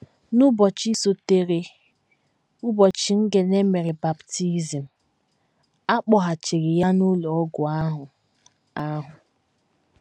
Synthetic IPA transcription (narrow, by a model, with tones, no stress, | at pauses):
nu˦bɔ˨t͡ʃi˦so˨te˨ɾe˨ | u˦bɔ˨t͡ʃi˦ŋ̩˦ɡe˨ne˦me˨ɾɪ˨ba˨bti˦zi˨m̩˨ | a˦k͡pɔ˨ɦa˨t͡ʃi˨ɣɪ˨ja˦nu˦lɔ˨ɔ˦ɡʊ˨a˦ɦʊ˨ | a˦ɦʊ˨